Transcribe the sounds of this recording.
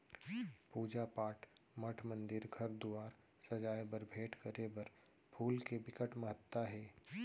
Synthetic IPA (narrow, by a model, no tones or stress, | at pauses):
puːd͡ʒapaːʈʰmɐʈʰmə̃nd̪ɪɾɡʱɐɾd̪uaːɾ | sɐd͡ʒaːjebɐɾbʱeːʈkəɾebɐɾ | pʰuːlkebɪkəʈmɐɦət̪ːaɦɛː